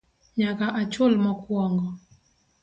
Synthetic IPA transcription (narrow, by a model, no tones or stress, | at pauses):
ɲakaʔat͡ʃʊlmɔkwɔŋɡɔ